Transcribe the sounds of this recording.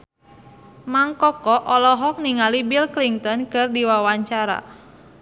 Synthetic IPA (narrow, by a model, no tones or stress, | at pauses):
maŋkɔkɔʔɔlɔɦɔk̚niŋalibilkliŋt̪ɔnkɨrdiwawaɲt͡ʃaɾa̰